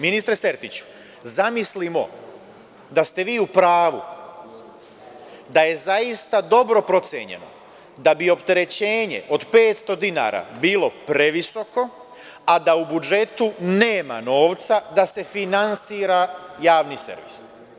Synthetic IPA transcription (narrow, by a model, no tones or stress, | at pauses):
minist̪ɾese̞ɾt̪it͡ɕu̥ | zamislimo̞̰ | d̪ast̪e̞ʋiːupɾaːʋu | d̪aje̞zajist̪ad̪o̞bɾo̞pɾo̞t̪sjḛɲe̞̰no̞̰ | d̪abio̞pt̪e̞ɾe̞t͡ɕe̞ːɲe̞̰ʔo̞d̪pe̞ːt̪st̪o̞d̪ina̰ɾa̰biːlˠo̞pɾe̞ʋiso̞ko̞ | ad̪aubud͡ʒe̞t̪uneːma̰no̞ːʋt̪sad̪ase̞finansiːɾajaːʋnisḛɾʋḭs